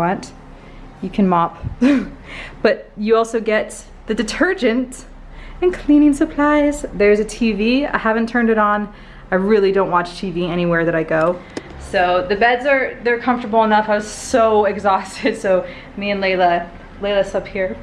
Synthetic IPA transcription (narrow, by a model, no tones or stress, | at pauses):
ʌ̃nt | jɨkʰɨ̃nmɑp | b̥ʌt͡ʃ̚ɨɔlˠsoʊɡɛt̪̚ | ðɨdɨtʰɜ˞d͡ʒɨ̃nt | ɨ̃nkʰl̥ĩnɪ̃ŋsɨpʰl̥aɪzðə˞zɨtʰivia̰ɪhævɨ̃ntʰɜ̃˞ndɨɾn̩ | aɪɹɪlˠidõʊ̃nʔwɑt͡ʃtʰiviɛɾ̃iwɛɹðɨɾaɪɡoʊ | soʊðɨbɛdzə˞ðə˞kʰʌ̃ɱftə˞bl̩ˠənʌfaɪwʌz̥soʊɨɡzɔstɪd̥soʊ | miɨ̃nleɪlə | leɪðɪsʌphiɹ